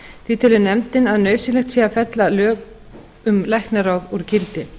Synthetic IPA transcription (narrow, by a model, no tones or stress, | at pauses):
θiːt̪ʰɪlɪnɛmt̪ɪnaðnœːɥsɪlɛxt̪siːafɛt̪lalœːk | ʏmlajhknaɾawðuɾcɪlt̪ɪ